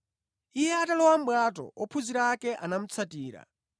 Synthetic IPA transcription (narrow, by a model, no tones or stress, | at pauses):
ijɛatalɔwam̩bwatɔ̰ɔpʰuziɾakɛʔanam̩t͡sʰatiːɾa̰